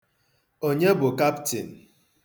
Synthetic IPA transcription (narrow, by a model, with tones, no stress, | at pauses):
o˦ɲe˦bʊ˨ka˦ptḭ˨n̩˨